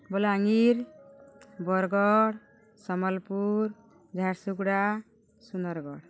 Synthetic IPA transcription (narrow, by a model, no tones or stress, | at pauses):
bɔlaŋiɾ | bɔɾɡɔɽ | sɔmɔlpuɾ | d͡ʒʱaɾsuɡɽa | sunɔɾɡɔɽ